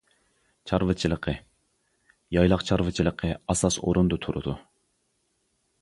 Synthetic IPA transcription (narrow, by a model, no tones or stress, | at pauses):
t͡ʃʰɑɾvɨt͡ʃʰilˠəqʰə | jɑjlˠɑqt͡ʃʰɑɾvɨt͡ʃʰilˠəqʰəɑsɑso̰ɾund̪ut̪ʰuɾud̪u